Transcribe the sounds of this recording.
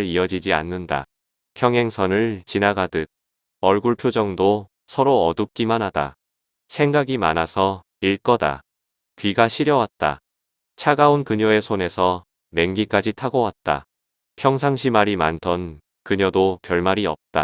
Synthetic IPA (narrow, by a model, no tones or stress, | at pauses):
ɭiʌd͡ʑid͡ʑia̰nːɯnda̰ | pʰjʌŋɦe̞ŋsʰʌnɯɭt͡ɕinaɡadɯt̚ | ʌɭɡuɭpʰjod͡ʑʌŋdo | sʰʌɾoʌdɯp̚k͈imanɦada̰ | sʰe̞ŋɡaɡima̰nasʰʌ | iɭk͈ʌda̰ | kɥiɡaɕʰiɾjʌwat̚t͈a̰ | t͡ɕʰaɡaunkɯɲʌe̞sʰone̞sʰʌ | me̞ŋɡik͈ad͡ʑitʰaɡowat̚t͈a̰ | pʰjʌŋs̬ʰaŋɕʰimaɾimantʰʌn | kɯɲʌdopjʌɭmaɾiʌp̚t͈a̰